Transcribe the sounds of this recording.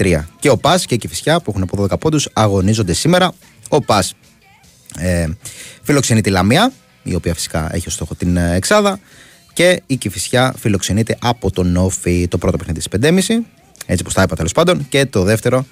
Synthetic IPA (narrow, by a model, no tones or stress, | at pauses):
t̪ɾiɐce̞o̞pɐsceicifisçɐpuexunɐpo̞ðoðekɐpo̞nd̪usɐɣo̞nizond̪e̞sime̞ɾɐ | o̞pɐs | efilo̞kse̞nit̪ilɐmiɐ | ḭo̞piɐfi̥si̥kɐe̞̰çio̞st̪o̞xot̪ineksɐðɐ | ce̞icifisçɐfilo̞kse̞nit̪e̞ʔɐpo̞t̪o̞no̞fit̪o̞pɾo̞t̪opexniðit̪ispend̪e̞misi | e̞t͡sipot̪ɐepɐt̪elospɐnd̪o̞nce̞t̪o̞ðe̞ft̪e̞ɾo̞